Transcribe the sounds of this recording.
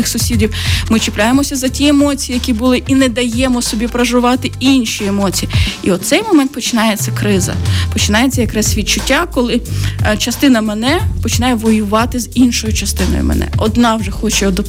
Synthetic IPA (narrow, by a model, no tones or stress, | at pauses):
ɪxsʊsʲidʲiwmɪt͡ʃɪplʲajemɔsʲɐzɐtʲiemɔt͡sʲijijɐkʲibʊlˠɪʔinɛd̪ɐjɛmɔsɔbʲipɾɐʒʊʋɑt̪ɪinʃʲiemɔt͡sʲijiiɔt̪t̪sɛjmɔmɛnt̪̚pɔt͡ʃɪnɑjet͡sʲːɐkɾɪzɐ̰pɔt͡ʃɪnɑjet͡sʲːɐjɐkɾɛsʲsʲʋʲid̪̚t͡ʃʊtʲːakɔlˠɪt͡ʃɐst̪ɪnɐmɛnɛpɔt͡ʃɪnɑjɛʋɔjʊʋɑt̪ɪzinʃɔjʊt͡ʃɐst̪ɪnɔ̰jʊ̰mɛ̰nɛ̰ʔɔd̪nɑwʒɛxɔt͡ʃɛɔd̪ɔ